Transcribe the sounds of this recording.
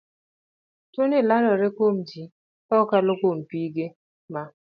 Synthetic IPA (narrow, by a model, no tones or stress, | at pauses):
tonelanɔɾekomd͡ʒi | ɔkalokompiːɡe | ma